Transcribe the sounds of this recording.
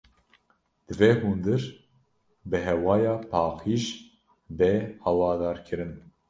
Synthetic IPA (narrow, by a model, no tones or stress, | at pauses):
d̪̥ɨvehund̪ɨɾ | bɨɦɛwɑːjɑːpʰɑːqiːʒ | bɛhɑwɑːd̪ɑːɾkʰɨɾɨn